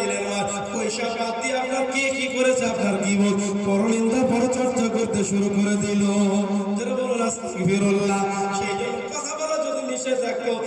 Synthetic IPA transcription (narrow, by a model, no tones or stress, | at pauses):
eleɾa | koeʃɔbat̪iapnaɾkekikoɾet͡ɕʰeapnaɾkibopɔɾoɽind̪apɔɾot͡ɕɔɾt͡ʃakoɾt̪eʃuɾukoɾetʰilot̪eɾeboɾoɾast̪iifeɾolnaʃe | kɔt̪ʰabɔlad͡ʒod̪iniʃed̪ɛkʰbo